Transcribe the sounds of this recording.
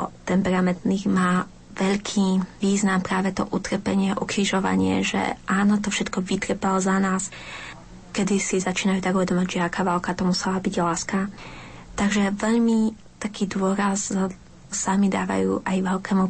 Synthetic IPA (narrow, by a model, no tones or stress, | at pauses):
ɔ̰t̪ɛmpɛɾamɛnt̪niɣmaː | ʋɛʎkʰiːʋiːznampɾaːʋɛt̪ɔ̰ʔut̪r̩pɛɲɪɛʔukɾiʒɔʋa̰ɲɪɛ̰ʒɛ̰ʔaːnɔt̪ɔfʃɛt̪kɔʋit̪rpɛlɔzanaːs | kɛd̪isizat͡ʃiːnajuːt̪aɡuʋɛd̪ɔmaɟʒɛakaːʋɛlkat̪ɔmusɛlabiɟlaːska | t̪aɡʒɛʋɛʎmi | t̪akʰiːd̪ʊɔɾaz | samid̪a̰ːʋa̰jṵːʔajʋɛʎkɛːmu